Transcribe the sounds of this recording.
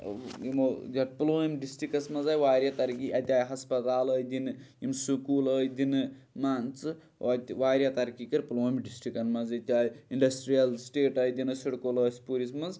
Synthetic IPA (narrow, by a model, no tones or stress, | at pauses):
imod̪ɐʈ̚ploːmɖisʈikɐsmɐzaːjʋaːɾjat̪ɐɾkiʔɐt̪ʲaːjɦɐspɐt̪aːləːjd̪inɨimsukuːləːjd̪ʲinɨ | maːnt͡sɨ | at̪ʲʋaːɾjat̪ɐɾkikɐɾploːimɖisʈɾikɐnmɐzɐt̪ʲaːjiɳɖɐsʈɾijɐlsʈeːʈɐːjd̪inɨsiɽkoləːsʲpuɾismɐz